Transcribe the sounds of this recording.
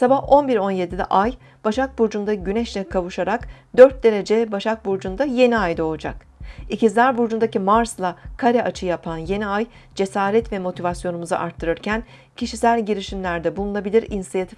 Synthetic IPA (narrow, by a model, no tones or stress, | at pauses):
sabaho̞nbiɾo̞nje̞d̪ilʲɛ̰ʔaj | b̥aʃak̚buɾd͡ʒund̪aɟynɛʃlʲɛkʰavuʃaɾakd̪øɾt̪̚d̪e̞ɾe̞d͡ʒɛbaʃak̚buɾd͡ʒund̪aje̞niajd̪o̞lˠud͡ʒa̰k | icizlʲæɾbuɾd͡ʒund̪acimaɾslˠakʰaɾɛʔat͡ʃʰɯjapʰanje̞niaj | d͡ʒe̞saːɾɛt̪vɛmo̞t̪ʰivasjo̞numuza̰ʔaɾt̪ʰːɯɾɯɾcʰæn | cʰiʃisælʲɟiɾiʃimlʲæɾd̪ɛbulˠunˠabilʲiɾinsijat̪ʰif